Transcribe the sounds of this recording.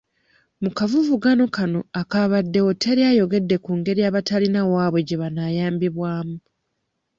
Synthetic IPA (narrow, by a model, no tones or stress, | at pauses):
mukavuvuɡano̞kano̞akaβadːe̞otʰeɾjajo̞ɡe̞dːe̞kuːŋɡe̞ɾiaβatalinawaːβwe̞ɟe̞βanaːjaːmbiβwaːmu